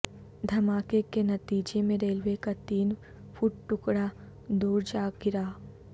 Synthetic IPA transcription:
d̪ʱɐmaːkekenɐt̪iːd͡ʒemẽɾeːlʋekat̪iːn | fʰuːʈʈʊkɽa | d̪uːɾd͡ʒaːɡɪɾaː

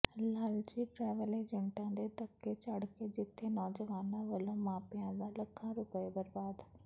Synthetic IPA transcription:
laːld͡ʒiːʈɾɛːʋəleːd͡ʒəɳʈãːd̪eːt̪əkːeːt͡ʃəɽkeːd͡ʒɪt̪ʰːeːnɔːd͡ʒəʋaːnãːʋəlõːmaːpɪjãːd̪aːləkʰːãːɾʊpəebəɾbaːd̪

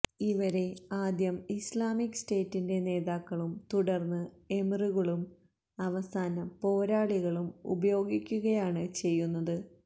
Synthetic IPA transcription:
iʋɐɾe̞aːd̪jɐmislaːmikːɨ̥ste̞ːtːinde̞ne̞ːðaːkːɐɭumt̪uɽɐrnːɨemruɣɐɭum | ɐʋɐsaːnɐpo̞ːɾaːɭiɣɐɭumṵbɐjo̞ːɡikʲːuɣɐjaːɳɨt͡ɕe̞jːunːɐðɨ

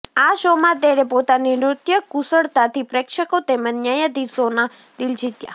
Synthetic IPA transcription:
aʃomãt̪eɾepot̪aniɾɾʊt̪jəkusəɽt̪at̪ʰipɾekʃəkot̪emənəjəd̪isona | d̪ild͡ʒit̪ja̰

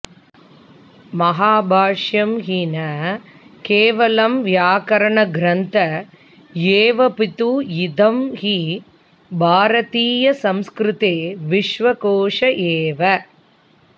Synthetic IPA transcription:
mɐɦaːbʱaːʂjɐmɦinɐ | keːʋɐlɐmʋjaːkɐɾɐɳɐɡɾɐnt̪ɐ | eːʋɐpit̪ujɪd̪ɐmhi | bʱaːɾɐt̪iːjɐsɐmskɾɪt̪eːʋɪʂʋɐkoːʂɐʔeːʋɐ

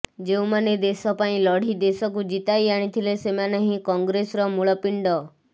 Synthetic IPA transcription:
d͡ʒeũmaned̪esɔpaĩlɔɽ̤id̪esɔk̬ud͡ʒit̪ajaɽ̃it̪ʰilesemaneɦĩkɔŋɡɾesɾɔmuɭɔpiɳɖɔ

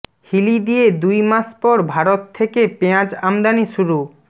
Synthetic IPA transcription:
hilid̪ijed̪ujmaʃpɔɾbʱaɾot̪ʰːekepeãd͡ʑamd̪aniʃuɾu

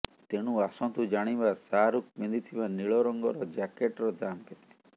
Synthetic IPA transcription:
t̪eɽ̃ũasɔnt̪ud͡ʒaɽ̃ibasaɾuk̚mind̪it̪ʰibaniɭɔɾɔŋɡɔɾɔd͡ʒakeʈɾɔd̪amkɛt̪e

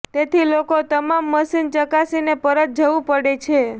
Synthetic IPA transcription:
t̪et̪ʰilokot̪əmamːəsint͡ʃəkasinepəɾət̪̚d͡ʒəʋũpəɽet͡ʃʰe

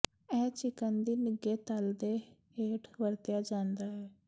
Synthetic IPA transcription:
ɛːt͡ʃɪkənd̪iːnɪɡeːt̪əld̪eːɦeːʈʋəɾt̪ɪjaːd͡ʒãːnd̪aːɦɛː

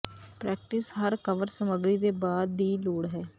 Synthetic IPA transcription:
pɾɛːk̚ʈɪsɦəɾkəʋəɾsəməɡɾiːd̪eːbaːd̪ːiːloːɽɦɛː

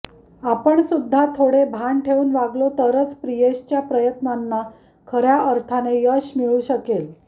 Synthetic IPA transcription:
apəɳsud̪ʱːat̪ʰoɽebʱaɳʈʰeuːnʋaɡlot̪əɾət͡spɾijeɕt͡ɕjapɾəjət̪nanːa | kʰəɾjaəɾt̪ʰanejəɕmiɭuːɕəkel

